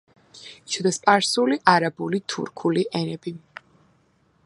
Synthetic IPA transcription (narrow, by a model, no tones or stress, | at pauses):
t͡ʃʰɔd̪aspʼaɾsuliʔaɾabulit̪ʰṵɾkʰuliʔɛnɛbi